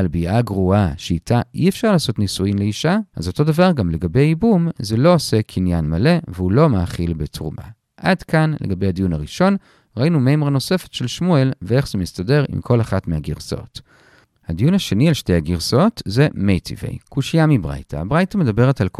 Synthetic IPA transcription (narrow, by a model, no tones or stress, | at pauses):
albiʔaɡʁuaʃeitʰaʔiefʃaʁlaːso̞tnisuimleiʃaʔa̰zo̞to̞davaʁɡamle̞ɡabejibumzelo̞ose̞kʰinjanmale̞veulo̞maːχilbetʁṵmʔa̰ | ʔadkanleɡabe̞jhadijunaʁiʃo̞n | ʁainumejmeʁno̞se̞fetʃe̞lʃmue̞lvee̞χz̥emistade̞ʁḭmkʰo̞laχatmehaɡiʁso̰t | hadijunaʃenialʃte̞jhaɡiʁso̞tze̞mejtʰḭvḛjkuʃijamibʁa̰jtʰa̰abʁajtame̞dabe̞ʁe̞talk